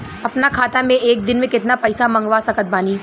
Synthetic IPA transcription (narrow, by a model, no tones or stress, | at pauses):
ɐpnakʰaːt̪amẽʔeːk̚d̪ɪnmẽkɪt̪napɛɪsamɐ̃ŋɡʋasɐkət̪̚baːniː